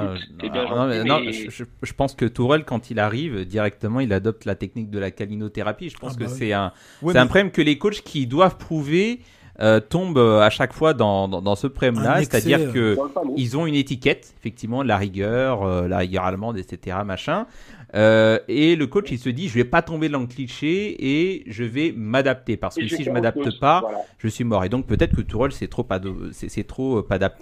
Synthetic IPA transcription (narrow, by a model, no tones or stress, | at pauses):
nɔ̃mɛnɔ̃əʒəʒəpɑ̃skət̪uʁɛlkɑ̃t̪ʰilaʁivd̪iʁɛk̚t̪əmɑ̃ilad̪ɔp̚t̪lat̪ɛknik̚d̪əlakalinot̪eʁapiʒəpɑ̃skəsɛɛ̃ | eɛt̪ɛ̃pχɔɛmkəlekot͡ʃkʲʰid̪wavpχuve | øt̪ɔ̃bøaʃakfwad̪ɑ̃d̪ɑ̃d̪ɑ̃səpχɔɛmlase̥t̪ad̪iʁkəilzɔ̃ynet̪ikʲɛt̪efɛk̚t̪ivmɑ̃laʁiɡʲœʁøla̰ʁiɡʲœ̰ʁa̰lmɑ̃d̪et̪set̪eʁamaʃɛ̃øeləkot͡ʃilsəd̪iʒəvɛpat̪ɔ̃bed̪lɑ̃kliʃeeʒəvɛmad̪ap̚t̪epaʁsə̥kəsiʒəmad̪ap̚t̪əpaʒ̥əsɥimɔʁed̪ɔ̃k̚pøt̪ɛt̪χəkət̪uʁɔlsɛt̪χopad̪osɛsɛt̪χoøpad̪ap̚t̪